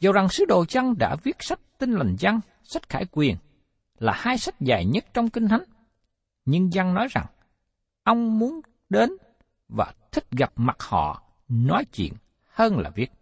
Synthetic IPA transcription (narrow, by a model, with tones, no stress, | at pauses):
zə˨˩wza˨˩ŋsɨ˨˦ɗo̰˧˨t͡ɕa˧ŋɗa̰ː˧˥vi˦˥ət̚sa˦˥t̚t̪i˧nla˨˩jŋza˧ŋ | sa˦˥t̚xa̰ː˧˩jkwi˨˩ən | laː˨˩haː˧jsa˦˥t̚zaː˨˩jɲə˦˥t̚t͡ɕɔ˧wŋ͡mki˧ŋ̟t̪ʰa˨˦ŋ | ɲɨ˧ŋza˧ŋnɔ˨˦jza̰˨˩ŋ | ʔə˧wŋ͡mmu˨˦ən | ɗe˨˦n | vaː˨˩t̪ʰï˦˥k̟̚ɣa˨˩p̚ma˨˩t̚hɔ̰˧˨ | nɔ˨˦jt͡ɕwḭ˧˨ən | həː˧nla̰ː˨˩vi˦˥ət̚